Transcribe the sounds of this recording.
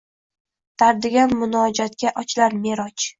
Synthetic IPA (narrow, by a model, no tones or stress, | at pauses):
t̪ʰaɾd̪ɪɡʲanmʊnɒd͡ʒat̪̚kʲaʔɒt͡ʃlaɾme̞ɾɒt͡ʃ